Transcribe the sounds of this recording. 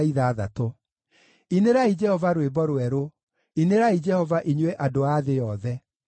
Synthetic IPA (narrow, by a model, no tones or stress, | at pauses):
iðaːðatɔ | ineɾaid͡ʒɛhɔvaɾwebɔɾwɛɾo | ineɾaid͡ʒɛhɔvaʔiɲwɛʔadoaðejɔðɛ